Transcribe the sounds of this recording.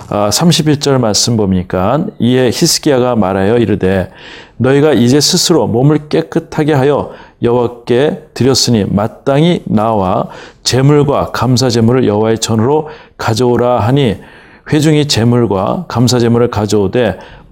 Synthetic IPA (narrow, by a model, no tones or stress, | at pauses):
asʰamɕʰibiɭt͡ɕ͈ʌɭmaɭs͈ɯmbomɲik͈anie̞çisʰɯ̥ɡ͈iaɡamaɾajʌiɾɯde̞nʌiɡaid͡ʑe̞sʰɯsʰɯɾomomɯɭk͈e̞k͈ɯtʰaɡe̞ɦajʌjʌwak͈e̞tɯɾjʌs͈ɯɲimat͈aŋinawat͡ɕe̞muɭɡwakams̬ʰad͡ʑe̞muɾɯɭjʌwaet͡ɕʰʌnɯɾo | kad͡ʑʌoɾaɦaɲi | ɸwe̞d͡ʑuŋit͡ɕe̞muɭɡwa̰kams̬ʰad͡ʑe̞muɾɯɭkad͡ʑʌode̞